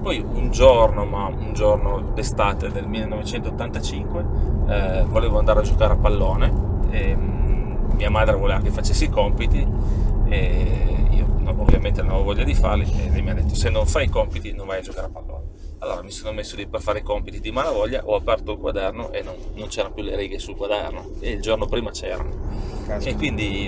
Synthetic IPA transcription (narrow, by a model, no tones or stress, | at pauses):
pɔjund͡ʒornoma | und͡ʒornod̪est̪aːt̪ed̪elmilːenːovet͡ʃɛnt̪oot̪ːant̪at͡ʃiŋkwe | voleːvoand̪aɾead͡ʒokaːɾeapːalːoːnee | miamaːd̪ɾevoleːvakefat͡ʃːesːiikɔmpit̪i | e | ḭːonʔovːjamẽnt̪enamavovɔʎːad̪ifarlielɛjmiad̪ːet̪ːosenːoɱfaikɔmpit̪inõɱvajad͡ʒokaːɾeapalːo̰ːne | alːoːɾamisonomesːoliperfaːɾeikɔmpit̪id̪imalavɔʎːa̰ʔɔapɛrt̪oalkwad̪ɛrnoʔenːonːont͡ʃɛːɾanopjuleɾiːɡesulkwad̪ɛ̰rno̰eild͡ʒornopɾiːmat͡ʃɛ̰ːɾa̰noekːwind̪i